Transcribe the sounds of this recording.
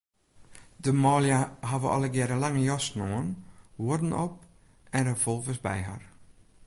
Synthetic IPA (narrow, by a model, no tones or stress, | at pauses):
dəmɔːljaɦavəʔɔ̰ləɡɛɾəlaŋəjɔsnoənwoədn̩ɔp̚ | ɛndəfolˠvəsbɛ̰jɦa̰r